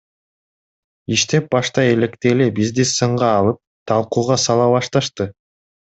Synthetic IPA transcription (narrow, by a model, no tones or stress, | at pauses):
iʃt̪e̞p̚bɑʃt̪ɑe̞le̞kt̪eːlebizd̪isɯɴʁɑːlˠɯp̚t̪ʰɑlˠquːʁɑsɑlˠɑβɑʃt̪ɑʃt̪ɯ